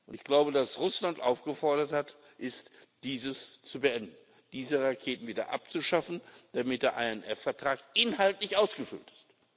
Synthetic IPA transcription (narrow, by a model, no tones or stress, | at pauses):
ʔʊntɪçɡ̥laʊbədasʁʊslantʔa̰ʊfɡ̥əfɔɐɾɐthat | ʔɪstd̥iːzəst͡subəʔɛndn̩ | d̥iːzəʁakʰeːtn̩viːdɐ̰ʔa̰p̚t͡suʃafn̩d̥amɪt̚d̥eːɐʔa̰ɪɛnʔɛfɛɐtʁ̥aːkɪnaltlɪçʔaʊsɡ̥əfʏ̰ltɪ̥st